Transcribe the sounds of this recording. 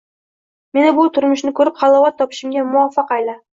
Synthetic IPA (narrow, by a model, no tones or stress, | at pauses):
me̞nɪbʊt̪ʰʊɾmʊʃnɪkʲʰɵɾɪp̚χɑlˠɒwat̪ʰːɒpɪ̥ʃɪmɡʲamʊɒfːɑqajla